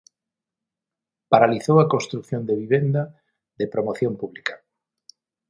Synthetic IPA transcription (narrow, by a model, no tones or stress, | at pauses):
paɾaliθowakonst̪ɾukθjõnd̪eβiβ̞end̪a | ðepɾomoθjompuβlikḁ